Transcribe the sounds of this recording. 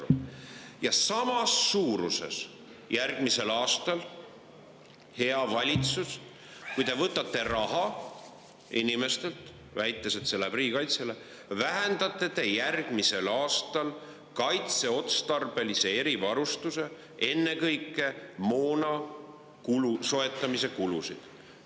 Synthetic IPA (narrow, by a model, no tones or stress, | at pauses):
jɑsɑmɑsːuːɾusḛs | jærɡ̥mise̞lɑːst̪ɑl | he̞ɑvɑlʲit̪sus | kujt̪e̞vɤt̪ːˑɑt̪ːˑe̞rɑɦɑ | inime̞st̪e̞lt̪ | væjt̪ːˑeset̪se̞lːepriːkɑjt̪sele | væɦend̪ɑt̪ːˑe̞t̪e̞jærɡ̥mise̞lɑːst̪ɑl | kɑjt̪se̞o̞t̪st̪ɑrb̥e̞lise̞e̞ɾivɑɾust̪use̞ | e̞nːe̞kɤjkːˑe̞mo̞ːnɑ | kuluso̞e̞t̪ːˑɑmise̞kulusḭd̪̥